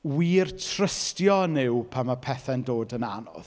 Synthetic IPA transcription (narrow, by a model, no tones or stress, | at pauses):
wiːrtʰrəstjɔnɪwpʰamapʰɛθɛndoːdəna̰nɔ̰ð